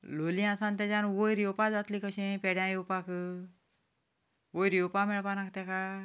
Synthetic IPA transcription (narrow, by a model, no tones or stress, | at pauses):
loliãsãnt̪ɛ̃d͡ʑanʋojɾjopad͡zat̪likəɕẽpɛɽjãjopakʰɯ | ʋojɾjopamɛɭpanak̚t̪ɛka